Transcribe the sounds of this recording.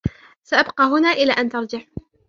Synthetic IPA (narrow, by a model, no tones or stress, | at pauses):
saʔabqɑːɦʊnaːʔɪlaːʔant̪ɑɾˤd͡ʒɪħ